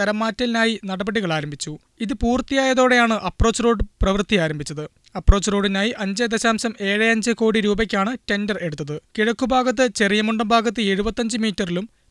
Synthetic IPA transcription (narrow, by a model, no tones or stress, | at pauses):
ɐɾɐmːaːtːɐlinaːjinɐɽɐbɐɽiɣɐɭaːɾɐmbʱit͡ɕːu | iðɨpuːrt̪ːijaːjɐðo̞ːɽe̞jaːɳɨʔɐpro̞ːt͡ɕːro̞ːɖɨprɐʋrt̪ːijaːɾɐmbʱit͡ɕːɐðɨ | ɐpro̞ːt͡ɕːro̞ːɖinaːjiʔɐɲd͡ʑɐd̪ɐɕaːmsɐme̞ːɻɐɐɲd͡ʑɨko̞ːɽiɾuːbɐk̬ʲːaːɳɨte̞ndɐre̞ɽut̪ːɐðɨkiɻɐkːubʱaːɣɐt̪̬ːɨt͡ɕe̞rijɐmuɳɖɐmbʱaːɡɐt̪ːɨe̞ɻubɐt̪ːɐɲd͡ʑɨmiːtːɐrilum